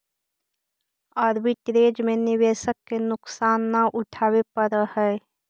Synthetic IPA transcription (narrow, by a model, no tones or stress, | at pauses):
aːɾbɪʈɾeːd͡ʒmẽnɪʋeːʃəkːenʊksaːnːaʔʊʈʰaːwepəɾhɛː